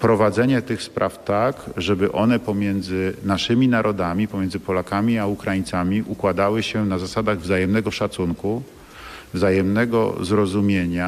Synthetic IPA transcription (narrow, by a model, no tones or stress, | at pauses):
pɾɔvad̪zɛɲɛt̪ɘxspɾʔaft̪akʐɛbɘʔɔnɛpɔmʲjɛnd̪zɘnaʂɘmʲinaɾʔɔd̪amʲipɔmʲjɛndzɘpɔlakamʲiaukɾajint̪samʲiʔukwad̪awɘɕɛnazasad̪aɣvzajɛmnɛɡɔʂat̪suŋku | vzajɛmnɛɡɔ̰zɾɔzumʲjeɲa